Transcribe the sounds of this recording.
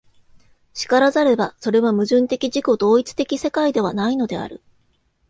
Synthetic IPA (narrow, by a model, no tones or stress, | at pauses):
ɕi̥kaɾazaɾe̞baso̞ɾe̞βamɯ̟ʑɨ̃nt̪e̞kʲiʑiko̞d̪o̞ːit͡sɨ̥t̪e̞kʲise̞kaid̪e̞β̞anaino̞d̪e̞a̰ɾɯ̟̰